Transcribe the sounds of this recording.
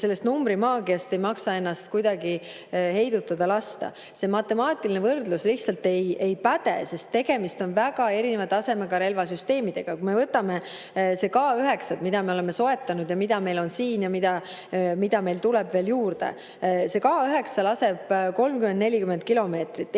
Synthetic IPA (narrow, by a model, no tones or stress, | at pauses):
se̞lːest̪numbɾimɑːɡ̥iɑst̪e̞jmɑksɑe̞nːɑst̪kujd̪̥ɑɡi | he̞jd̪ut̪ːˑɑd̪̥ɑlɑst̪ɑ̰ | se̞mɑt̪ːˑe̞mɑːt̪ːˑilinevɤrd̪lusliht̪sɑlt̪e̞je̞jpæt̪ḛse̞st̪ːe̞ɡ̥e̞mist̪o̞nvæɡ̥ɑe̞ɾine̞vɑt̪ːɑse̞meɡɑɾe̞lvɑsyst̪e̞ːmid̪̥e̞ɡ̥ɑkume̞vɤt̪ːˑɑme̞ | se̞kɑːyɦe̞ksɑt̪mid̪ɑme̞ole̞me̞so̞e̞t̪ːˑɑnud̪̥jɑmid̪̥ɑme̞jlo̞nsiːnjɑmid̪̥ɑ | mid̪ɑme̞jlt̪ulebve̞ːljuːrd̪̥e̞̰ | se̞kɑːyɦe̞ksɑlɑse̞b̥ko̞lmkymend̪ne̞lʲikymen̚kilo̞me̞ːt̪rit̪ːˑ